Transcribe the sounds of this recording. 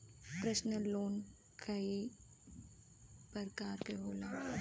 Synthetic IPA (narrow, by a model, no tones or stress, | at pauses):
pɾəʃnəlːoːn | kʰai | pəɾkaːɾkeɦoːlaː